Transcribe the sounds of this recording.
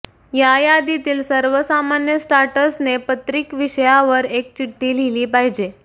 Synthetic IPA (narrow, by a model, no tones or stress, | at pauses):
jajad̪it̪iːlsəɾʋəsamanjəsʈaɾʈəsnepət̪ɾikʋiɕəjaʋəɾek̚t͡ɕiʈːiːl̤iliːpaɦid͡ʑe